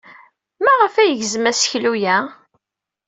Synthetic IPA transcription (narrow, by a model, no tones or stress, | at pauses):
mæʁəfæjəʝzəmæsçlujæ